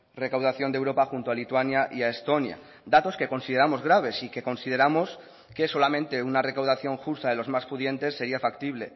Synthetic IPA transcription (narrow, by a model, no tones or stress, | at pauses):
re̞kawð̞aθjond̪ewɾo̞paxunt̪o̞alit̪wanjaʔiaest̪o̞nja̰ | d̪at̪o̞ske̞ko̞nsiðeɾamo̞zɣɾaβ̞e̞sike̞ko̞nsið̞e̞ɾamo̞s | keso̞lamẽnt̪eunare̞kawðaθjo̞ŋxust̪aðe̞lo̞zmaspuðje̞nt̪e̞sːe̞ɾiafak̚t̪iβ̞le̞